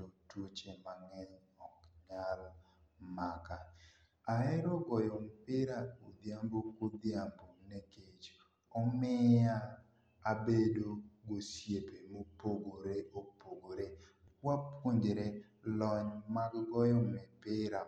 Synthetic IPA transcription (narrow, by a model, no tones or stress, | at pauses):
totut͡ʃemaŋɛɲ | ɔkɲalɔ | maka | aɛɾoɡɔjompɪɾaud̪jambokod̪jamboneket͡ʃ | ɔmɪa | abedoɡosjepemopoɡoɾeʔopoɡoɾe | wapwoɲdeɾe | lɔɲmaɡɡɔjɔmɛpɪɾa